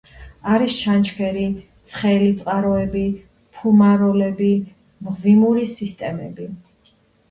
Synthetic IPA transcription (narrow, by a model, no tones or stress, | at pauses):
aɾist͡ʃʰant͡ʃʰkʰɛɾit̪sʰχɛlit̪sʼqʼaɾɔɛbi | pʰumaɾɔlɛbi | mʁvimuɾisist̪ʼɛmɛbi